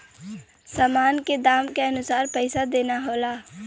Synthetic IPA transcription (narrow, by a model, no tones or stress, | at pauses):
saːmaːnked̪aːmkaɐnʊsaːɾpɛɪsad̪eːnaɦoːlaː